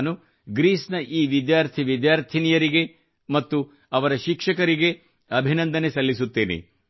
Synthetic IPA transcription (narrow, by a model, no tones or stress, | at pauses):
nu | ɡɾiːsnɐʔiːʋid̪jaːɾt̪ʰiʋid̪jaːɾt̪ʰinijɐɾiɡe̞ | mɐt̪ːu | ɐʋɐɾɐʃikʂɐkɐɾiɡe̞ | ɐbʱinɐnd̪ɐnesɐlːisut̪ːeːnḛ